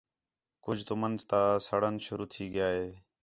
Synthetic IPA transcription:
kʊd͡ʒʱt̪ʊmənzt̪ãːsəɽ̤ənʃʊɾuːt̪ʰiːɠɪjaːɦeː

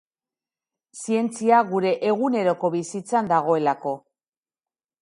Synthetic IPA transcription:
sie̞nt͡siaɣuɾe̞ʔeɣune̞ɾo̞ko̞βisit͡sand̪aɣ̞o̞e̞lako̞

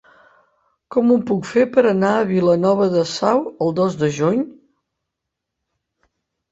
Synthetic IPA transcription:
kɔmupukfepəɾənaəβilənɔβ̞əðəsawəlˠd̪ozðəʒuɲ

